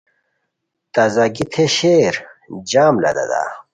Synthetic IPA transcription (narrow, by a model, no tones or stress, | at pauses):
t̪ɐzɐɡit̪ʰeɕeːɾd͡ʑaːmlɐ̰d̪ɐ̰d̪a̰